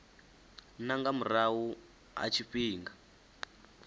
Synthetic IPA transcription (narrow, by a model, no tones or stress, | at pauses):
naŋɡamuɾawu | a̰t͡ʃʰiɸiːŋɡa